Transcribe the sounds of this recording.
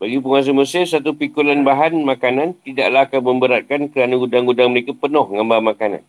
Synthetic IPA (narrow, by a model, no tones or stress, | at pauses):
baɡip̬əŋas̬əməsɪrsat̪upikulanbaɦanmãkanãnt̪idaʔlaɦakanmə̃mbəɾat̪̚kankəɾanaɡudaŋɡudaŋməɾekapənʊhŋambaanmakanã̰n